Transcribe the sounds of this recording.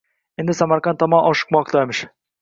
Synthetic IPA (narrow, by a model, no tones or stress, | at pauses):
end̪ɪsamaɾqɑnt̪ʰːɒmɑnʔɒʃɨ̥q̚mɒqt̪ɑemɪʃ